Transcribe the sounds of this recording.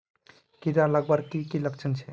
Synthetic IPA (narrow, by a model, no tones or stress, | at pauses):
kiɾalaɡbaɾkikiləkt͡ʃʰənt͡ʃʰe